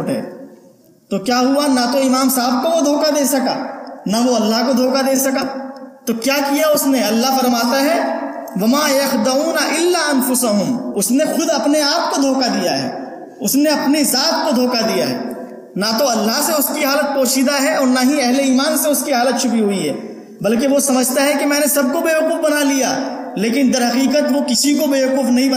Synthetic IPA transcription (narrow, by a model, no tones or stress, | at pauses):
ʈɦɛ̰ː | t̪okjaːɦʊanɐt̪oɪmaːmsaːb̚koʋod̪ʱoːkad̪eːsɐka̰ːnɐʋoɐlːaɦkod̪ʱoːkad̪eːsɐkaːt̪okjaːkijaʊsneɐlːaɦfɐɾmaːt̪aɦɛːʋɐmaːjɐxd̪ɐuːnɐʔɪlːaːɐnfʊsɐɦʊmʊsnexʊd̪ɐpneaːp̚kod̪ʱoːkad̪ijaɦɛ̰ː | ʊsneɐpnezaːt̪̚kod̪ʱoːkad̪ija̰ɦɛ̰ː | nat̪oɐlːaɦseʊskiɦaːlət̪̚poːʃid̪aɦɛɔːɾnaɦĩɛɦleiːmaːnseʊskiɦaːlət̪̚t͡ʃʰʊpiɦʊiɦɛː | bɐlkeʋosɐməd͡ʒʱt̪aɦɛkimɛ̃ːnesɐb̚kobeːɦʊkuːfbɐnalija̰ | leːk̬ɪnd̪ɐɾɦɐqiːqət̪ʋokɪsikobeːɦʊquːfnɐɦĩb